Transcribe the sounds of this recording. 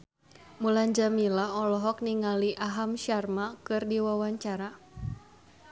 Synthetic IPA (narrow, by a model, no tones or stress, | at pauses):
mulaɲd͡ʒamilaɔlɔɦɔk̚niŋaliʔaɦamʃarmakɨrdiwawaɲt͡ʃaɾa